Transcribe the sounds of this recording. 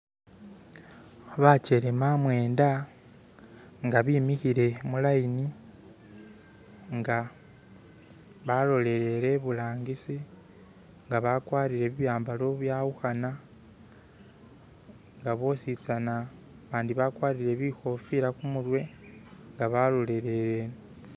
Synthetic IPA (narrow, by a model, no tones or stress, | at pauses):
βat͡ʃe̞ɾe̞mamwe̞ːnda | ŋɡaβiːmixiɾe̞mulaini | ŋɡa | βalo̞le̞ɾe̞ɾe̞βulaːŋɡisi | ŋɡaβakwaːɾiɾe̞βiβjaːmbaloβjauxana | ŋɡaβo̞sit͡sana | βaːndiβakwaːɾiɾe̞βixo̞fiɾakumuɾwe̞ | ŋɡaβalo̞le̞ɾe̞ɾen